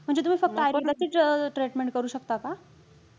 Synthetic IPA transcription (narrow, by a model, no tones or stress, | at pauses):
m̤əɳd͡zet̪um̤iːfək̚t̪əajped̪lat͡ɕiːʈɾeʈmeɳʈ̚kəɾuːɕək̚t̪aka